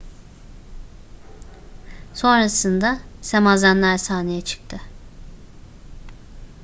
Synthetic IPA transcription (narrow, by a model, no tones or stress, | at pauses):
so̞nɾasɯnd̪asemazanlʲæɾsaːnejɛt͡ʃʰɯ̥k̚t̪ʰɯ